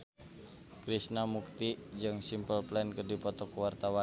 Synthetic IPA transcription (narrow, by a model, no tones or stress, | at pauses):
kɾisnamuk̚t̪id͡ʒɨŋsimpəlplɛnkərdipɔt̪ɔkwart̪awa